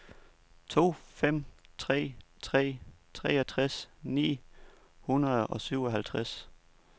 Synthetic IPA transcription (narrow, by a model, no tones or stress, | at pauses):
t͡sʰo̝̰ːfem̰t͡sʰʁɛ̰ːt͡sʰʁɛ̰ːt͡sʰʁɛ̰ːɒt͡sʰʁasnḭː | hunɐðˠɒ̽syʊ̰ɒɦælt͡sʰʁas